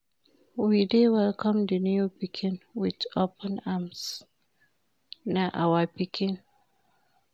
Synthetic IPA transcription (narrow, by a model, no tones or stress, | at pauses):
widewɪlkʰɔ̃mdənjupikʰɪ̃nwɪdopə̃nams | naʔawapikʰɪn